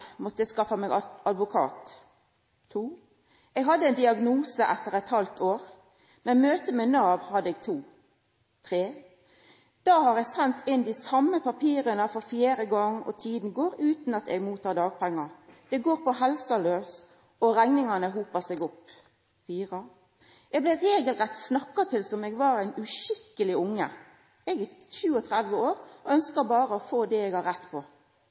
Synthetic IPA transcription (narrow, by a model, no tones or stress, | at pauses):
mɔt̪ːəskɑfəmeːɡɑd̪ʋʊkʰɑ̰ːt̪ʰː | uː | ʔɛɡɦɑd̪ːəɛɪnd̪ɪɑɡnuːsəʔɛt̪ːəʁɛt̪hɑlt̪ʰoːʁ | mɛmøːt̪əmeːnɑːʋhɑd̪ːəɛɡt̪ʰuː | t̪ʰʁeː | d̪̥ɑːhɑːɾɛɡsɛnt̪ʰɪnd̪iːsɑmːəpɑpʰiːɾənəfɔɾfjeːɾəɡɔŋːɔ̰t̪ʰiːd̪n̩ɡoːɾʉːt̪n̩ɑt̪ɛɡmuːt̪ʰɑːɾd̪ɑːɡ̚pʰæŋːɑɾd̪̥ɛɡoːɾpɔɦɛlsɑløːs | ɔɾæŋnɪŋɑnəɦuːpəsɛɡɔpː | fiːʁə | ʔɛɡ̚blɪːeːɡəlʁɛt̪snɑkːɑt̪ʰɪlsɔmɛɡʋɑɾæɪnʉʃɪkːəlɪʊŋːə̰ | ɛɡɪʃʉːɔt̪ʰɾæd̪ʋəoːɾɔœnskəɾbɑːɾəɔfoːd̪ɛɛɡhɑɾɛt̪ːpʰɔ